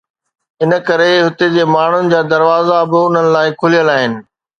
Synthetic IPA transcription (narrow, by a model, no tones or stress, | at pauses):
ɪnə̆kɐɾeɦʊt̪ed͡ʑeːmaːɳ̤ʊnɪ̆d͡ʑaːd̪ɐɾʋaːzabɪʊn̤ənɪ̆laːɪkʰʊlijəlaːɦɪnɪ̆